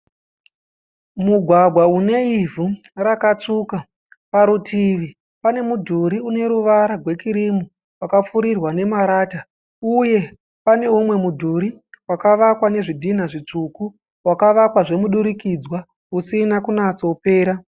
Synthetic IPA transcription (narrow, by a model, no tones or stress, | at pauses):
muɡʱwaɡʱwaune̞ivu | rakat͡ʂuka | paɾutʰiʋi | pane̞mudʱuɾiune̞ɾuʋaɾaɡʱwe̞kiɾimu | wakap͡fuɾirwane̞maɾaːta | uje̞ | pane̞umwe̞mudʱuɾiwakaʋakwane̞ʐidʱin̤aʐit͡ʂuku | wakaʋakwaʐe̞muɗuɾikid͡zwa | usinakunat͡so̞pe̞ːɾa